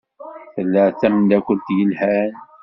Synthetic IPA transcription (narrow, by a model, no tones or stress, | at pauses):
θəlːæʕθæmnd̪ækʷʊnt̪jəlhæn